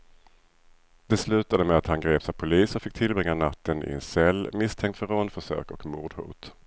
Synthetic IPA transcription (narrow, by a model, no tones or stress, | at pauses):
d̪̥ɛslʉ̟ːt̪ad̪əmɛat̪hanɡɾeːpsavpʰʊliːsɔfɪk̚t̪ʰɪlbɾɪŋːanat̪ːənɪ̰ɛ̰nsɛlːmɪst̪ʰɛŋkt̪fœɾɔnd̪fœʂø̰ːkɔkmuːɖ̪hṵːt̪